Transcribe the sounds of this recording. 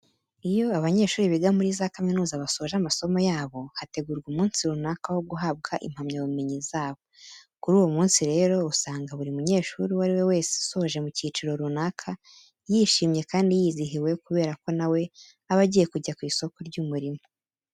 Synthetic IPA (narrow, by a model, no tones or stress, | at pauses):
ijo̞aβaɲe̞ːʃuːɾiβiɡamuɾiːzakaminuːzaβaso̞ʒamaso̞mo̞jaːβo̞hate̞ɡuɾɡumuːnsiɾunakawo̞ɡuɦab̚ɡaʔḭm̥hamɲaβumeɲizaːβo̞kuɾuːwomuːnsiɾe̞ːɾo̞usaːŋɡaβuɾimuɲe̞ːʃuɾiwaɾiwe̞we̞ːse̥uso̞hoʒe̞muciːt͡ʃiɾo̞ɾunakʰa | jiːʃiːmɲe̞kaːndijiːziɦiwe̞kuβe̞ːɾako̞nawe̞ | aβaɟije̞kuɟakwiːso̞ko̞ɾɟumuɾimo